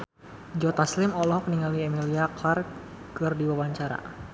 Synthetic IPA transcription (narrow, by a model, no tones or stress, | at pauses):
d͡ʒɔt̪aslɪmɔlɔhkəniŋaliɛmiliaklar | kɨrdiwawaɲt͡ʃaɾa̰